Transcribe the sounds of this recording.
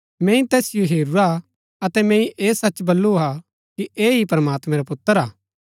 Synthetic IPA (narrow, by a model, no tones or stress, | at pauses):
mɛ̃ːĩt̪ɛːsɪjoɦeːɾuɾa | ɐt̪ɛmɛ̃ːĩʔeːsɐt͡ʃːbɐlːua | kieːɦipɾɐmaːt̪mɛ̃ɾapʊt̪ːəɾaː